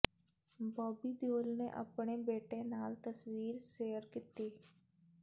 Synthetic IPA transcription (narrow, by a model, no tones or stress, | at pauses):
bɔːbiːd̪joːlnḛʔə̰pɳebeːʈẽnaːlt̪əswiːɾseːəɾkit̪iː